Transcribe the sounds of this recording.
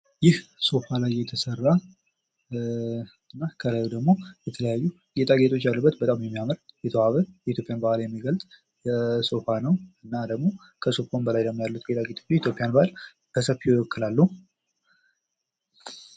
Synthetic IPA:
jɪhso̞falajːɛt̪ʰəsərːa | ɨnːakʰəlajud̪əɡmo̞jɛt̪ʰələjajːu | ɡet̪ʼaɡet̪ʰʼo̞t͡ʃːjalːubːət̪bət̪ʼamjɛmːijaməɾjɛt̪ʰəwaβəjɛit̪jo̞pʼɪjanbəhlajɛmːiɡəlt̪ʼ | ɛso̞fanəwɨnːad̪əɡmo̞ | kʰəsofonbəlajləmːojalːut̪̚ɡet̪ʼaɡet̪ʰot͡ʃːit̪jo̞pʼːijanbəal | bəsəfjɪwɔkːɨlalːu

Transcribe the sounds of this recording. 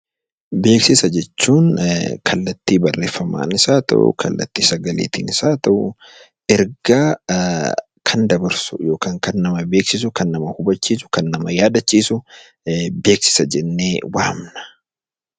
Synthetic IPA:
be̞ːksɪsɐd͡ʒɛt͡ʃːuːŋkʰɐlːɐt̪ːiːbɐrːeːfːɐma̰ːnɪsaːt̪ɐ̰ʔʊ̰kʰɐ̰lːɐ̰t̪ːiːsɐɡɐlḛːt̪ɪ̰ːnɪsaːt̪ɐʔʊ | ɛɾɡ̥aː | kʰɐnd̪ɐbɐɾsʊjo̞ːkaːŋkɐnːɐmɐbe̞ːksɪsʊkɐnːɐmɐhʊbɐt͡ʃːiːsʊ̥kɐnːɐmɐjaːd̪ɐt͡ʃːiːsʊ | be̞ːksɪ̥sɐd͡ʒɛnːeːwaːmnɐ̥

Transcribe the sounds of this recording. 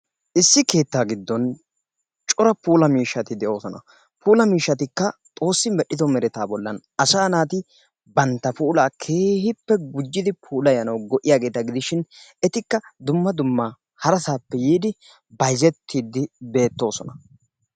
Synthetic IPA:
ʔɪsːɪke̞ːt̪ːaːɡɪd̪ːɔn | t͡ʃʼɔɾɐpuːlɐmiːʃːɐt̪ɪd̪ɛʔo̞ːsɔnɐ̰ | pʰuːlɐmiːʃːɐt̪ɪkːɐt̪ʼo̞ːsːɪmɛɗːɪd̪ɔmɛɾɛt̪aːbɔlːɐnɐsaːnaːt̪ɪ | bɐnt̪ːɐpuːlaːkʰe̞ːhɪpːɛɡʊd͡ʒːɪd̪ɪpʰuːlɐjɐnɐwɡɔʔːɪjaːɡe̞ːt̪ɐɡɪd̪ɪʃɪnɛt̪ɪkːɐd̪ʊmːɐd̪ʊmːa | hɐɾɐsaːpːɛjiːd̪ɪ | bɐjzɛt̪ʰːiːd̪ɪbe̞ːt̪ːo̞ːsɔnɐ

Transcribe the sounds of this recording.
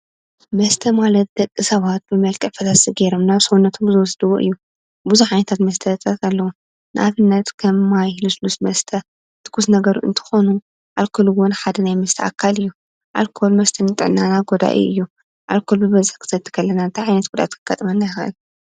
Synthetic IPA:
mɐst̪ʰɐmalɐt̪̚d̪ɐkʼːisɐβat̪̚bɨmɐlkʼɨʕfɐt̪ʰasiɡeɾomnaβsɐwunːɐt̪ʰomzɨwɔsd̪ɨwuʔɨ̰jːu | buzuħʕajnɐt̪ʰat̪mɐst̪ʰɐt̪ʼɐkʰɐlːɐwu | nɨ̰ʔaβɨnːɐt̪kʰɐmːajhluslusmɐst̪ʰɐ | t̪ʰɨ̥kːusnɐɡɐɾuʔɨ̰nt̪ʰɨ̥xo̞nu | ʔalkʰoluwʊnħad̪ɐnajmɐst̪ʰɐa̰kʰːalɨjːu | ʔa̰lkʰo̞lmɐst̪ʰɐnɨt̪ʼɨʕnanaɡod̪a̰ʔḭʔɨ̰jːu | ʔalkʰolbɨβɐzɨħkʰɨ̥sɐt̪ʰːɨ̥kʰɐlːɐnant̪ʰajʕajnɐt̪̚ɡ̥ud̪a̰t̪kʰɨɡ̥at̪ʼɐmɐnːajxɐ̰ʔɨ̰l

